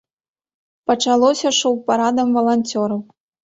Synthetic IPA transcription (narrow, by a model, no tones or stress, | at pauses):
pɐt͡ʂalˠɔsʲɐʂowpaɾad̪ɐmvɐlˠanʲt͡sʲɔɾɐw